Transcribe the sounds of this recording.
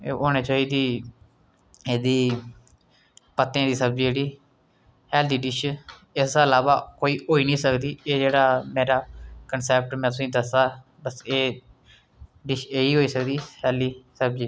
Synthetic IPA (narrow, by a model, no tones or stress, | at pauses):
eːʔoːñeːt͡ʃaːiːd̪iː | eːd̪iː | pət̪ːẽːd̪iːsəb̚d͡ʒd͡ʒeːɽiː | hɛːld̪iːɖɪʃ | ɪsəlaːʋaːkoːiːoːiːnĩːsəkd̪iːeːd͡ʒeːɽaːmeːɾaːkənsɛːp̚ʈmɛ̃ːt̪ʊsĩːd̪əsaː | bəseː | ɖɪʃeːiːɦoːiːsəkd̪iːhɛːliːsəbd͡ʒiː